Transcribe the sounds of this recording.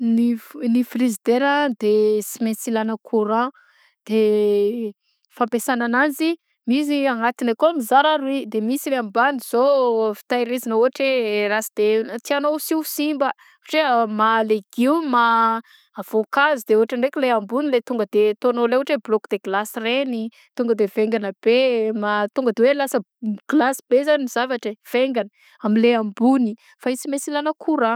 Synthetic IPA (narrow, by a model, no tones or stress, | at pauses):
ninifrizid̪eɾəd̪esimensilanəkʰuɾã | d̪̥e | fampesananand͡zi | mis̬iaŋat̪inakomizaɾaɾuid̪emisileambaniz̥ofi̥t̪ajɾizanəuɦaʈ͡ʂerasid̪et̪ianosisimbə | aʈ͡ʂemaleɡ̥iwmaː | v̥okazid̪euaʈ͡ʂəɳɖ͡ʐekʲuleambunilet̪uŋɡəd̪et̪onoleuaʈ͡ʂeblokd̪eɡlasreni | t̪uŋɡəd̪eveŋɡanəb̥emat̪uŋɡəd̪ewelasə | ɡ̥lasibezaniiz̥avaʈ͡ʂev̥eŋɡanə | amileambuni | faisimesilanəkʰuɾa